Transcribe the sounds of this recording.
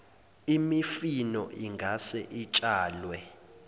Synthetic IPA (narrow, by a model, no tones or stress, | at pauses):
imifinɔʔiŋɡʱasɛʔit͡ʃʼaːlwɛ